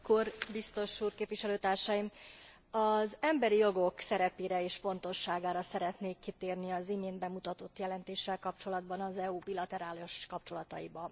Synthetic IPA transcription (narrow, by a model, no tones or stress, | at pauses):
korbist̪o̞ʃuːrkeːpviʃɛløːt̪aːrʃɒjim | ɒzɛmbɛɾijo̞ɡo̞ksɛɾɛpeːɾɛeːʃfo̞n̪t̪o̞ʃːaːɡaːɾɒsɛɾɛt̪neːkːit̪eːrniɒzimeːnbɛmut̪ɒt̪o̞t̪jɛlɛnt̪eːʃːɛlkɒp̚t͡ʃo̞lɒd̪bɒnɒzɛubilɒt̪ɛɾaːloʃkɒpt͡ʃo̞lɒt̪ɒjḭbɒ